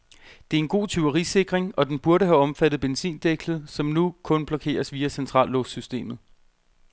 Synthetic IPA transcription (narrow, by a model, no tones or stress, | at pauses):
d̥e̝æɐe̝nɡ̥o̝̰ːt͡sʰyɐʁise̝ɡ̥ʁeŋɒ̽d̥enb̥uɐɾəɦæɒ̽mfæd̥ð̩ˠb̥ensḭːnd̥eɡ̥lð̩ˠsɒ̽mnukʰɔ̽nb̥lɒ̽kʰe̝̰ːɐsʋiːæsent͡sʰʁɑ̰̈ːlːɔfsysd̥e̝̰ːmð̩ˠ